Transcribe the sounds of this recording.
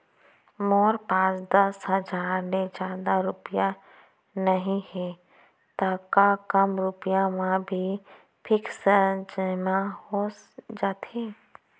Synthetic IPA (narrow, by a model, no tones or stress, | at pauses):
mɔːɾpãːt͡ʃd̪əsɦəd͡ʒaːɾmed͡ʒaːd̪aɾʊpɪja | nəɦĩhɛː | t̪aːkakəmɾʊpɪjamãbʱi | pʰɪksəd͡ʒəmahoːs | d͡ʒaːt̪ʰeː